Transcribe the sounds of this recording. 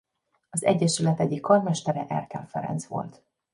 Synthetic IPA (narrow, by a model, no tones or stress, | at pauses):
ɒzɛ̰ɟːɛʃylɛt̪ɛɟikʰːɒrmɛʃt̪ɛɾɛʔɛrkɛlfɛɾɛ̰nt̪sʋo̞̰lt̪